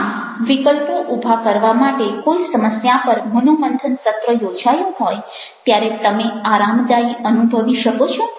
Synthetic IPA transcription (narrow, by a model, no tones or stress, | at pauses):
ʋikəlpoʔubʱakəɾʋamaʈekojsəməsjapəɾmunomənd̪ʱənsət̪ɾəjod͡ʒajũɦɔj | t̪jaɾet̪əmeaɾamd̪aiənubʱəʋiʃəkot͡ʃʰo